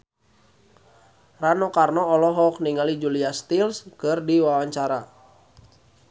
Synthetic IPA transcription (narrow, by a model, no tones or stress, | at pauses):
ranɔkarnɔɔlɔɦɔk̚niŋalid͡ʒuliast̪ilskɨrdiwawaɲt͡ʃaɾa